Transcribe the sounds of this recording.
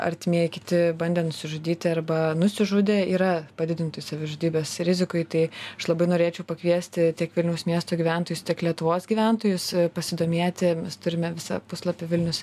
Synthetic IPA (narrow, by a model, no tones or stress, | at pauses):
ɐ̰ɾʲt̪ʲɪmʲiɛjɪkʲɪt̪ʲɪbɐnʲd̪ʲɛːnʊsʲɪʒʊd̪ʲiːt̪ʲɪɐɾbɐnʊsʲɪʒʊd̪ʲeːiːɾɐpɐd̪ʲɪd̪ʲɪnt̪oːjsɐʋʲɪʒʊd̪ʲiːbʲeːsɾʲɪzʲɪkʊɪt̪ɐɪɐʃlˠɐbɐɪnoːɾʲeːt͡ʃʲɛʊpɐkʋʲiɛsʲt̪ʲɪt̪ʲiɛkʋʲɪlʲnʲɛʊsmʲiɛst̪oːɡʲiːʋʲæˑnt̪oːjʊst̪ʲiɛklʲiɛt̪ʊʋoːsɡʲiːʋʲæˑnt̪oːjʊspɐsʲɪd̪oːmʲeɛt̪ʲɪmʲɛst̪ʊɾʲɪmʲɛʋʲɪsɐ̰pʊslˠɐpʲɪʋʲɪlʲnʲʊs